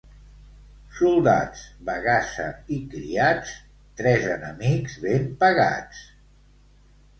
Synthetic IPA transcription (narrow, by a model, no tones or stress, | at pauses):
sulˠd̪a̰t͡sβəɣasə̰ikɾḭat͡s | t̪ɾɛzənəmikzβempəɣa̰t͡s